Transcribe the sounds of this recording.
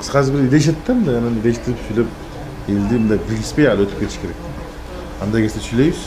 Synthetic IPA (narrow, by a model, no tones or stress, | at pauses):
sqɑzbiɪɾilʲeʃ̬et̪ʰːæmd̪aananilʲeʃt̪ːɪɾipsyjlʲep̚ | elʲd̪imund̪ajbilʲɡʲispejalˠøt̪ʰy̥pkʰʲet̪ʰiʃkʰeɾek̚ʲt̪ | and̪ajkʲʰesesyjlʲejyz